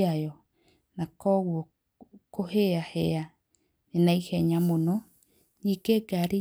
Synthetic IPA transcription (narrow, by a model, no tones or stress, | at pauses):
ajo | nakowo | koheahea | nenãiheɲãmonõ | ɲikeɡaɾi